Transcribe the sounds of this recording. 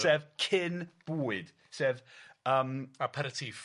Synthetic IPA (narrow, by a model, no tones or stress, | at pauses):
sɛːvkʰɪnb̥uːɨd̥ | sɛːvəːmapʰəɾətʰif